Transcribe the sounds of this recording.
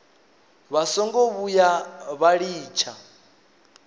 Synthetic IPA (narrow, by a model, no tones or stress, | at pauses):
βasɔŋɡoβujaβaɺiːt͡ʃʰa